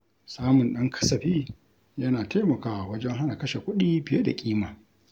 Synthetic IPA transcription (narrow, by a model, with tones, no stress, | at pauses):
saː˦mʊ˨nɗɐ˦ŋkʰɐ̥˦sɐ˨ɸiː˦ | jɐ˦naː˨ta˦mɐ˨kaː˨wɐ˦d͡ʒɛ˦ŋɦa˦na˨kɐ˦ʃe˨kʷʊ˦ɗiː˦bɪ˨je˦da̰˨kʲʼiː˦maː˨